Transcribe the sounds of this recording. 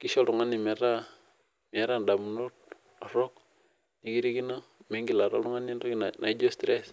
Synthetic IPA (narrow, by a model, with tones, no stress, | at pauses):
ki˦ʃo˦ɾu˨ŋa˦ni˨me˨ɾa˦ | mi˨a˦ɾa˦n˨da˨mu˨nu˦t | a˨ɾo˦k̚ | ni˨ki˦ɾi˦ki˦na˦me˦ŋɡi˨la˨ɾo̰˦u˦ŋa˦ni˦nɾo˦ki˦nnʔa̰˨i˦d͡ʒo˦stɾe˦s